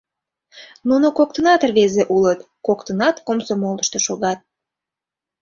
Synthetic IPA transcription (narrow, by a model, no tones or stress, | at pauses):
nunokok̚t̪ənɑt̪ərβezeʔulət̪ | kokt̪ənɑt̪komsomolˠəʃt̪oʃoɣɑt̪̚